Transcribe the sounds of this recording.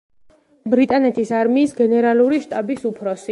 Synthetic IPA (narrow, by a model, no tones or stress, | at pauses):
bɾit̪ʼanɛt̪ʰisaɾmiːsɡɛnɛɾaluɾiʃt̪ʼabisupʰɾɔsi